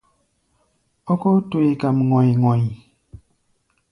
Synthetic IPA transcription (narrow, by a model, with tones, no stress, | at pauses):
ɔ˦ko˦tu˨i˨ka˨mŋɔ˨jŋɔ˨j